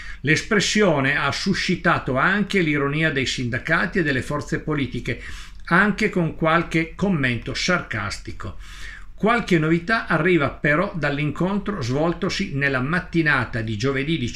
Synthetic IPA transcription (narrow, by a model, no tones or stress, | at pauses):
lespɾesːjoːneasːuʃːit̪aːt̪oaŋk̟eliɾoniːad̪ejsind̪akaːt̪ied̪elːefɔrt̪sepoliːt̪ike | aŋkekoŋkwalk̟ekomːent̪osarka̰st̪iko | kwalkenːovit̪aʔarːiːvapeɾɔd̪alːiŋkont̪ɾozvɔlt̪osinelːamat̪ːinaːt̪ad̪id͡ʒoved̪id̪i